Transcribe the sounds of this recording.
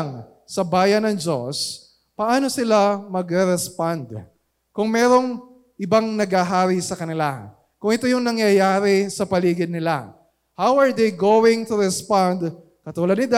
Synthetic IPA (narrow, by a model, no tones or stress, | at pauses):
ŋ | sɐbaːjɐnɐŋd͡ʒo̞s | pɐʔaːno̞sɪlamɐɡɾɛɾɛspand̪ | kʊŋmɛːɾo̞ŋ | ʔɪbaŋnɐɡhaɦaːɾisɐkɐnɪla | kʊŋɪt̪ojʊŋnɐŋjɐjaːɾɪsɐpɐliːɡɪd̪nːɪla̰ | hawɐɹd̪ejɡowɪŋt̪ʊɾɛspand̪ | kɐt̪uːlɐd̪nɪd̪a